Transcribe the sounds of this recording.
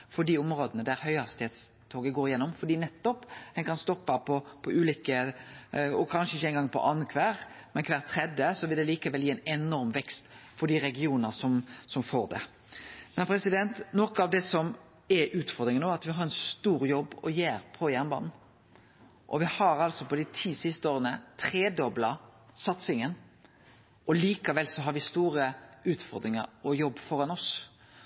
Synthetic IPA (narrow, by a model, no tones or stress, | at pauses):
fɔɖ̪iʊmɾoːd̪ənəd̪æɾhœʏhɑst̪ɪheːt̪s | t̪ʰoːɡəɡoːɾɪjɛnːɔmfɔɖ̪iːnɛt̪ːɔphɛnkʰɑnst̪ɔpːɑpʰɔpʰɔʔʉːliːkə | ɔkʰɑnʃəɪçəɛɪnŋɡɑŋpʰɔ̰ʔɑnkʰʋæːɾ | mɛnkʰʋæːʁt̪ʰɾɛd̪əsɔʋɪld̪ɛliːkəʋɛljiːɛnɛnɔɾmʋɛkst̪fɔɖ̪iːɾɛɡɪuːnəʁsɔmsɔmfoːʁɾd̪ɛ̰ | mɛnpʰɾɛsɪd̪ɛnt̪nɔkəɑʋd̪ɛsɔm | ɛʔʉːt̪fɔɾd̪ɾɪŋənoːɑt̪ʋɪɦɑɾɛnst̪uːɾjɔbːɔjeːɾpʰɔjæʁnbɑ̰ːnn̩ | ʔɔʋɪhɑɾɑlsɔpɔd̪ɪt̪ʰiːsɪst̪əoːɾənət̪ʰɾeːd̪ɔblɑsɑt̪sɪŋən | ɔliːkɑʋɛlsɔɦɑɾʋɪst̪uːɾəʉːt̪fɔɾd̪ɾɪŋə̰ɾɔjɔbːfɔɾɑnɔs